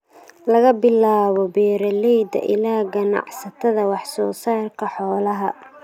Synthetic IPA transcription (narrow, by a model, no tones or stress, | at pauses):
lɐɣɐbɪlaːβɔbɛːɾɐlɛjd̪ɐ̰ʔɪlaːɡɐnɑ̰ʕsɐt̪ʰɐðɐwɑħsɔːsaːrkʰɐħɔːlɐɦɐ